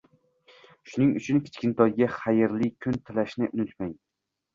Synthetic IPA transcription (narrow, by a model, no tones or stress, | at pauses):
ʃʊnɪŋʊt͡ʃʰʊnkʲʰɪ̥t͡ʃkʲɪnt̪ʰɒjɡʲaχajɪɾlɪkʲʰʊnt̪ʰɪlaʃnɪʔʊnʊt̪maj